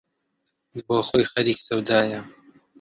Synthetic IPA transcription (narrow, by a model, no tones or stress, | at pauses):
boːxoːjxɐɾiːksɐwd̪aːjɐ